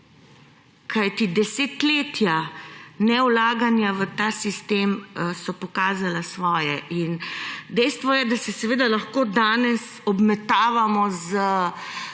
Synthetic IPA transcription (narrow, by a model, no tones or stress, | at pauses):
kajt̪id̪ɛseːt̪leːt̪janɛwlaːɡanjaʋət̪aːsist̪emsɔpɔkaːzalasʋɔːjɛʔind̪ɛjst̪ʋɔjɛd̪asɛsɛʋeːd̪alɐxkoːd̪aːnɛs | ɔbmɛt̪aːʋamɔzə